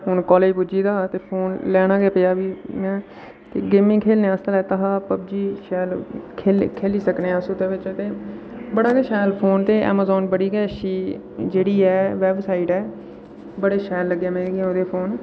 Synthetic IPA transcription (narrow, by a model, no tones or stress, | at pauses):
ɦʊnkɔːleːd͡ʒbʊd͡ʒiːd̪aːt̪eːpʰoːnlɛːnãːɡeːpɪjaːʋiːmɛ̃ː | t̪eːɡeːmĩːkʰeːlnẽːəst̪əlɛːt̪əɦaːpəbd͡ʒiːʃɛːlkʰeːkʰeːliːsəkneːɛ̃sũt̪eːʋɪt͡ʃt̪eː | bəɽaːkeːʃɛːlpʰoːnt̪eːʔɛ̰ːmaːzɔːnbəɽiːɡɛːʃiː | d͡ʒeːɽiːɛːʋɛːbsaːiʈɛː | bəɽeːʃɛːlːəɡːaːmẽːɡẽoːd̪eːpʰoːn